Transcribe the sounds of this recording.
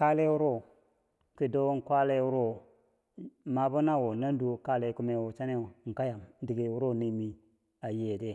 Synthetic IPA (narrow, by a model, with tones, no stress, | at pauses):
ka˦le˦wu˦ɾo˦ | ki˨do˦ŋ̩˨kʷa˦le˦wu˦ɾo˦ | ma˨bu˦na˦wo˨na˦n˦du˨˦o˨ka˦le˨˦ku˦me˨wo˨t͡ʃa˦ne˦˨˦ŋ̩˨ka˦ja˨m˦di˨ɡe˨wu˦ɾo˦˨ni˨mi˨ | a˨je˨de˦˨